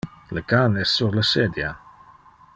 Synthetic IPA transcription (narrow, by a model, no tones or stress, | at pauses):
ləkanɛsːuɾləsed̪ja